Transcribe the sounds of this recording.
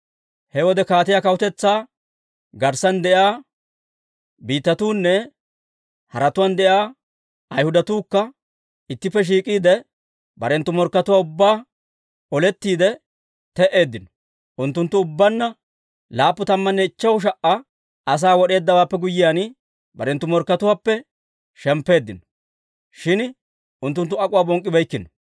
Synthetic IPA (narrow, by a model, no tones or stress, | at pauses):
hɛwɔd̪ɛkaːt̪ɪjaːkɐwʊt̪ɛt͡sːaː | ɡɐɾsɐnd̪ɛʔaː | biːt̪ːɐt̪uːnːɛ | hɐɾɐt̪ʊwand̪ɛʔjaː | ɐjhʊd̪ɐt̪uːkːɐ | ɪt̪ːɪpːɛʃ̬iːkʼiːd̪ɛ | bɐɾɛnt̪ːʊmɔɾkːɐt̪ʊwaːʊbːaː | ɔlɛt̪ːiːd̪ɛ | t̪ɛʔe̞ːd̪ːɪnɔ̥ | ʔʊnt̪ːʊnt̪ːʊʊbːɐnːɐ | laːpːʊt̪ɐmːɐnːɛɪt͡ʃːɐwʃ̬ɐʔɐ | ɐs̬aːwɔɗe̞ːd̪ːɐwaːpːɛɡʊjːɪjaːn | bɐɾɛnt̪ːʊmɔɾkːɐt̪ʊwaːpːɛ | ʃɛmpːe̞ːd̪ːɪnɔ | ʃɪn | ʊnt̪ːʊnt̪ːʊɐkʼʊwaːbɔŋkʼːɪbɐjkːɪnɔ